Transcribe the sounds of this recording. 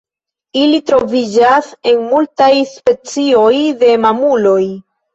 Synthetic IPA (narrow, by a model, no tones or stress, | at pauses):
ilitɾo̞vid͡ʒase̞nmultajspe̞t͡sio̞jde̞mamulo̞j